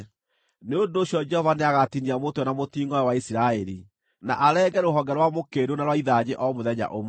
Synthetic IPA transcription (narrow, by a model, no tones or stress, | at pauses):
neondoːɕjɔd͡ʒɛhɔvaneaɣatiniamotwɛnamotiːŋɡɔɛwaisiɾaɛɾi | na̰ʔaɾɛːɡɛɾoɦɔŋɡɛɾwamokeɾonaɾwaiðaɲeʔɔmoðɛɲa̰ʔom